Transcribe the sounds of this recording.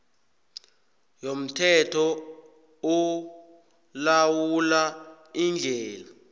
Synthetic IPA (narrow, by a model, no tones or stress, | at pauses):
jom̩tʰɛtʰɔ | u | lawula | ind͡ɮʱɛːla